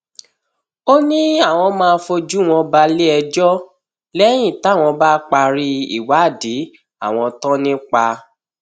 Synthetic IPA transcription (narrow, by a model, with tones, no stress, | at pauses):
o˦nĩ˦a˦˨w̃ɔ̃˧mãː˧˦fo˧d͡ʒu˦˨w̃ɔ̃˧ba˧le˦ɛ˧d͡ʒɔ˦ | lɛ˦j̃ĩ˦˨ta˨˦˨w̃ɔ̃˧ba˦k͡pa˧ɾi˦ḭ˦˨wa˨˦˨di˨˦ | a̰˦˨w̃ɔ̃˧tɔ̃˦nĩ˦k͡pa˧